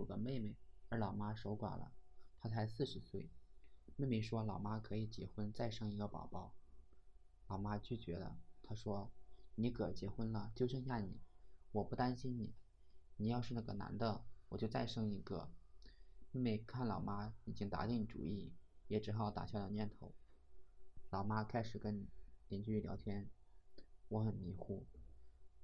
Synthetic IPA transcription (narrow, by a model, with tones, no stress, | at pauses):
u˨˩ɡə˧me˥˩ɪme˧˩ɪə˞˧˥lɑ˨˩ʊma˥ʂo˧˥ʊkwa̰˨˩nlə̰˦t̪ʰa˥t͡sʰa˧˥ɪsɹ̩˥˩ʂɻ̩˧˥swe˥˩ɪme˥˧me˧˩ʂwɔ˥lɑ˨˩ʊma˥kʰɤ˧˥i˨˩t͡ɕjɛ̰˧˥xwə˥nt͡sa˥˧ɪʂɤ˥˩ŋi˧˥ɡə˧pɑ̰˨˩ʊpɑ˥˩ʊ | lɑ˨˩ʊma˥t͡ɕy˥˩t͡ɕɥɛ˧˥d̪ə̰˧t̪ʰa˥ʂwɔ˥ni˧˥kʰɤ˨˩t͡ɕjɛ˧˥xwə˥nlə˨t͡ɕjo˥ʊʂɤ˥ŋɕ̬ja˥˩nḭ˨˩˦wɔ˨˩pu˥˩t̪a˥nɕi˥nni˨˩˦ | ni˨˩jɑ˥˧ʊʂɻ̩˥˧na˥˩ɡə̰˩na̰˧˥nd̪ə˧wɔ˨˩t͡ɕjo˥˧ʊt͡sa˥˧ɪʂɤ˥˩ŋi˧˥ɡə̰˧ | mi˥˧me˥˧ɪkʰa˥˩nlɑ˨˩ʊma˥ni˨˩t͡ɕi˥ŋt̪a̰˧˥t̪i˥˩ŋni˧˨˩ʈ͡ʂṵ˨˩i˥˩jɛ˨˩ʈ͡ʂɻ̩˧˥xʊt̪a̰˨˩ɕjɑ˥˧˩ə˨˩˦njɛ˥˩nt̪ʰo˧˥ʊ | lɑ˨˩ʊma˥kʰa˥ɪʂɻ̩˨˩kə˥n˨˩t̪jɛ˧˩nt͡ɕy˥˩ljɑ˧˥t̪ʰjɛ˥n | wɔ˧˥xə˨˩nmi˧˥xu˥˩